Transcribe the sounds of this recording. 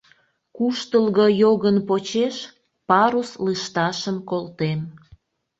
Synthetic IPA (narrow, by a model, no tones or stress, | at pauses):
kuʃt̪əlɣojoɣənpot͡ɕeʃ | pɑɾusləʃt̪ɑʃəmkolt̪em